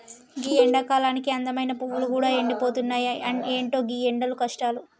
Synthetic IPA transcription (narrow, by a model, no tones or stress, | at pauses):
ɡiːeɳɖɐkaːlaːnikiɐnd̪ɐmɐjnɐpuwulukuːɽaːe̞ɳɖipo̞ːt̪unːaːjɐeːɳʈo̞ːɡiːeɳɖɐlukɐʂʈaːlu